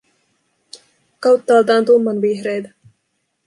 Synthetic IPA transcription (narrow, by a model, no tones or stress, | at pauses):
kɑwt̪ːɑːlt̪ɑːnt̪umːɑnʋiçɾejt̪ɑ̥